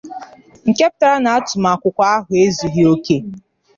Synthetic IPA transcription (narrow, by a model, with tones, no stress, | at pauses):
ŋ̩˨ke˦p̚ta˦ɾa˦na˨a˦tʊ˨ma˨kʷʊ˨kʷa˦a˦ɦʊ˨e˦zu˨ɦi˦o˦ke˦